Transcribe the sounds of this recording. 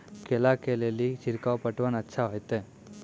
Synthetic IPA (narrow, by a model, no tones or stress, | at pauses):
kɛlakelejɐlːit͡ʃiɾkaʋpɐʈːɐʋɐnɐtːʰaɦojt̪e